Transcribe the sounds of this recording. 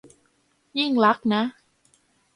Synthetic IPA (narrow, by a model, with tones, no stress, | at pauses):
ji˥˩ŋla˦˥k̚na˦˥